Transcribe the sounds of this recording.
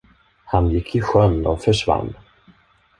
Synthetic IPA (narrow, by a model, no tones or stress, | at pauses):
hanjɪkʰːɪɧœnːɔfœʂva̰nː